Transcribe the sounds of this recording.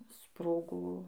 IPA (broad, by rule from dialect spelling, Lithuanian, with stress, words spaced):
ˈsproːɡoː